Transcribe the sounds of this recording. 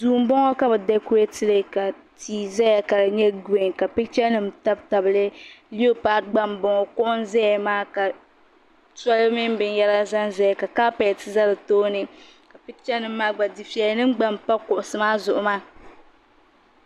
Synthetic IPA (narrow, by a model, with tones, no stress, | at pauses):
duː˨m̩˦bɔ˦ŋɔ˦ka˦bɛ˨dɛ˦ku˦je˦tɪ˦lɨ˨ka˨ | tiː˨zɛ˦ja˨ka˨ɲɛ˦ɡe˨ŋka˨pɪ˦t͡ʃɛ˦nɨ˨m˦ta˦bta˨bɨ˨lɨ˦li˦o˦pa˨ɡ͡ba˦mbɔ˨ŋɔ˦kʊ˦ʔʊ˦n˦zɛ˦jmaː˦ka˨ | ta˦lmɪ˦m˦bɪ˨n˦jɛ˦la˦za˦nzɛ˦ja˨ka˨ka˦pa˨tɨ˦za˦lɨ˨toː˦nɨ˨ | ka˨pɪ˦t͡ʃɛ˦nɨ˨m̩ː˦a˦ɡ͡ba˨di˨fi˨ɛ˨˦nɨ˦m˦ɡ͡ba˦mpa˦kʊ˨ʔʊ˨sɨ˨maː˦zʊ˨ʔʊ˨maː˦